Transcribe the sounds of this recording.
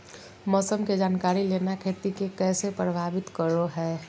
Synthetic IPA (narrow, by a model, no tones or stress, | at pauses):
mɔːsəmked͡ʒaːnkaːɾileːnakʰeːt̪ikekɛːsepɾəbʱaːbɪt̪kəɾoɦɛː